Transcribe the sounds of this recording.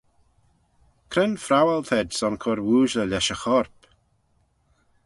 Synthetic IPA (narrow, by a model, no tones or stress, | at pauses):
kʰɾɪnfɾawalt̪ʰɛdsɔnkʰɔɾwuːʒləlʲɛʃəxɔɾp